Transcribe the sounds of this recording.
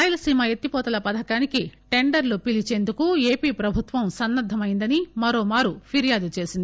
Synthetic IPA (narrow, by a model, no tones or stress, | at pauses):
aːjɐlɐsiːmɐet̪ːipɔːt̪ɐlɐpɐd̪ʱɐkaːnikiʈe̞ɳɖɐɾlupilit͡ʃe̞ːnd̪ukue̞ːpiːpɾɐbʱut̪ʋɐmsɐnːɐd̪ʱɐmɐjind̪ɐnimɐɾoːmaːɾupʰiɾjaːd̪ut͡ʃe̞ːsind̪i